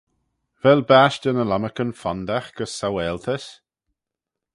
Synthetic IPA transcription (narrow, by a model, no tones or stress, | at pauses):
vɛlbaːʃd̪ənəlaməkənfɔnd̪axɡ̥əsːawɛːlt̪ʰəs